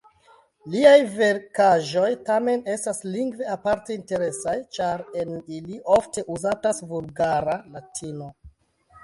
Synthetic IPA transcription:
liajve̞ɾkaʒo̞jtame̞ne̞stasliŋɡve̞apaɾte̞inte̞ɾe̞sajt͡ʃaɾe̞niliʔo̞fte̞ʔuzatasvulɡaɾalatʰino̞

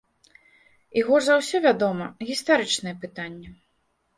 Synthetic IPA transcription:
iɣɔʐzawsʲɔvʲad̪ɔmɐɣʲist̪aɾɨt͡ʂnɨjɛpɨt̪anʲːɛ

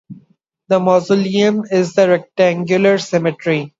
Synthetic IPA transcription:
d̪əmɔzʊliə̃mɪzd̪əɾɛk̚ʈæ̃ŋɡjʊləɾsɛmɪʈɾi

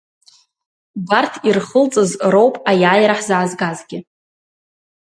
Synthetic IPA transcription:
bartʰirχəlt͡sʼɨzro̞wpʼajaːjɾaħzaʕːzɡazɡʲɪ

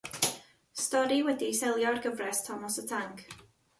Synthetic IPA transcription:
stɔɾiwɛdisɛlˠjɔarɡəvrɛstʰɔmɔsətʰaŋk

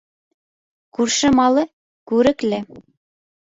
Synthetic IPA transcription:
kurʃɘ̆mɑlɤ̆ | kuɾɘ̆klɘ̆

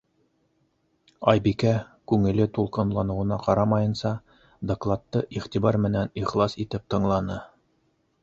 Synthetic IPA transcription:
ɑjbikækʉŋɘ̆lɘt̪ulˠqɤ̆nlˠɑnɤ̆wɤ̆nɑqɑɾɑmɑjɤ̆nsɑ | d̪ɐklˠɑt̪ːɤʔiχt̪iβɑɾmɘ̆næniχlˠɑsit̪ɘp̚t̪ɤ̆ɴlˠɑnɤ

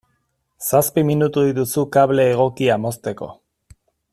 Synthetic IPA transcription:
saspiminut̪uit̪usukaβle̞ːɣ̞o̞kiamo̞st̪e̞ko̞̰

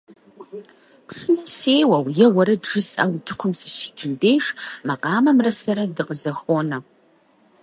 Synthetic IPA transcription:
pʰʂɨnɐsejwɐwjɛwɐɾɐdʐɨsɐ̰wtʰɨkʷʰʊmsɨʃi̥tʰɨndejʂmaqʼɑːmɐmrɐsɐɾɐdɨqəzɐxoːnɐ

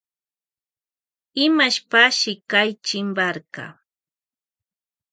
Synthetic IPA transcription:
ɪmaʃpaʃɪkajt͡ʃɪmbaɾkɑ̰

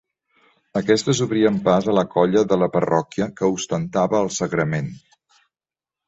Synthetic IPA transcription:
əkɛst̪əzuβɾiəmpazələkɔʎəðələpərɔkiəkəust̪ənt̪aβəːlˠsəɣɾəmen

